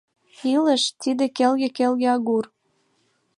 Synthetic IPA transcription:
ilə̆ʃt̪id̪ekelɣĕkelɣeɑɣur

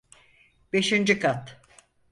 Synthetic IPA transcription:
b̥e̞ʃind͡ʒikʰat̪

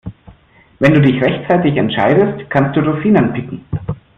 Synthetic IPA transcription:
vɛnduːdɪçʁɛçt͡saɪtɪçɛntʃaɪdəstkʰanst̚d̥uːʁofiːnanpʰɪkŋ̩

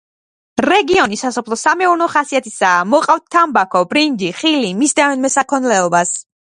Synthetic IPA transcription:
ɾɛɡiɔnisasɔpʰlˠɔsamɛuɾnɔχasiat̪ʰisaːmɔqʼaft̪̚t̪ʰːambakʰɔbɾind͡ʒiχilimisd̪avɛnmɛsakʰɔnlɛɔbas

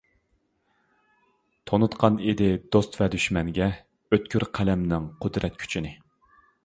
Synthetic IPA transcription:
t̪ʰonut̪qʰɑned̪ɪd̪ost̪vɛd̪yʃmɛŋɡʲɛ | øt̪kʲʰyɾqʰælɛmnɪŋqʰʊd̪ɾɛt̪̚kʲʰy̥t͡ʃʰinɪ

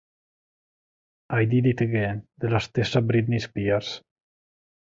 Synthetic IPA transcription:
ajd̪id̪it̪eɡed̪elast̪esabɾid̪nispiaɾs

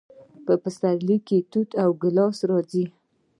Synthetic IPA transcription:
pəpəsaɾliket̪ut̪ʰawɡɪlɑsɾɑd͡zi

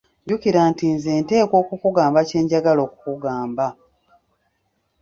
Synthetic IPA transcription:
ɟukiɾaːntinzeːnte̞ːko̞ːkukuɡaːmbace̞ːɲɟaɡalo̞ːku̥kuɡaːmba

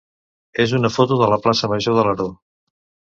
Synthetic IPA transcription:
ezunəfot̪uðələplasəməʒoðələɾo

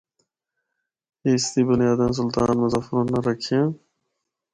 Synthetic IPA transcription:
est̪iːbʊnjaːd̪ens̬ʊlt̪aːnmʊzaːfɾunːɐɾɐkʰẽ

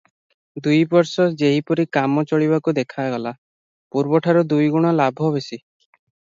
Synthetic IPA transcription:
d̪ujbɔɾsɔd͡ʒeɦipɔɾikamɔt͡ʃɔɭiβakud̪ekʰaɡɔla | puɾbɔʈʰaɾɔd̪ujɡuɽ̃ɔlabʱɔɦɔβesi

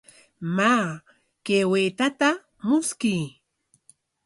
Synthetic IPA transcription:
maː | kewet̪at̪a | mʊskij

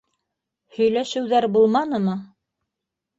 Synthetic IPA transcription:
hɵ̆jlæʃɘ̆wðæɾbulˠmɑnɤ̆mɤ

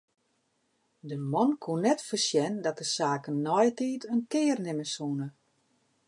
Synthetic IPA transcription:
dəmɔnkʰunːɛtfərsjɛndɔt̚dəsaːkənːɔjtiːtʰənkɪːrnɪməsunə

